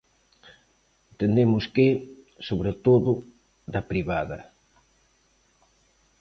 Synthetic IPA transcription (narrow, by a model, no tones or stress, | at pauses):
t̪end̪emʊskɪ | soβɾet̪oðʊ | ðɐpɾiβaðɐ̰